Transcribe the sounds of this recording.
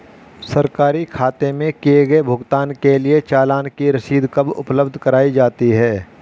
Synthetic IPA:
sɐɾkaːɾikʰaːt̪emẽkieɡɐebʱʊɡt̪aːnkeliet͡ʃaːlaːnkiɾɐʃiːd̪ʱkɐbʊ̰pləbd̪ʱkɐɾaːid͡ʒaːt̪iɦɛː

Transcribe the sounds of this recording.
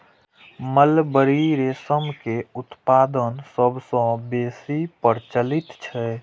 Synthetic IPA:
məlbəɾiɾesəmkeʊt̪paːd̪ənsəbʱsə̃beːsipəɾt͡ʃəlit̪t͡ʃʰɛ

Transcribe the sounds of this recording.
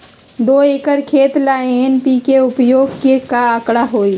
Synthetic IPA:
d̪oːeːkəɾkʰeːt̪laːẽenpikeʊpjoːɡkekaəkɽaɦoːi

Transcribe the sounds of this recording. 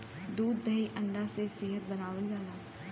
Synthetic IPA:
d̪uːd̪ːəiʔə̃ɳɖaseseːɦət̪̚bənaːʋəlɡaːlaː

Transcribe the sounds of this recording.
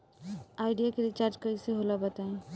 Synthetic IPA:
aːɪɖijakeliet͡ʃaːɾd͡ʒkɐiseɦoːlabɐt̪aːẽ

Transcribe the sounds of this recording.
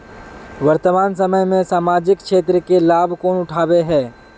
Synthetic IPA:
ʋɐɾt̪əmaːns̬ɐməjmẽsaːmaːd͡ʒɪkkʃeːt̪̬ɾəkelaːbʱkoːnʊʈʰaːweɦɛː

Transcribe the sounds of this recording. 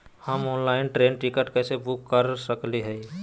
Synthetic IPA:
həmɔːnlaːɪnʈɾeːnʈikəʈkɛːsebʊkːəɾsəkliɦɛ

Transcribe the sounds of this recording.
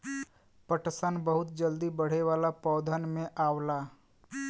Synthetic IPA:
pəʈsənbəɦʊt̪̚d͡ʒəld̪ibəɽ̤eʋaːlapɔːd̪ʱənmẽʔaːwlaː

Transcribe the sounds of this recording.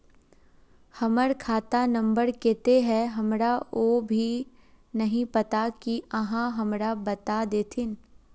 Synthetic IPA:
hɐməɾkʰaːt̪anɐ̃mbəɾkeːt̪eɦɛ̃ɦɐmɾaoːbʱi | nɐɦĩpɐt̪akiɐɦãɦɐmɾabɐt̪ad̪eːt̪ʰɪn

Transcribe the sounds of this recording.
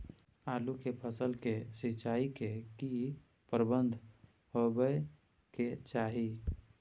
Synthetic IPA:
aːlukepʰəsəlkesɪt͡ʃaːikeki | pəɾbənd̪ʱ | ɦobə | ket͡ʃaːɦi

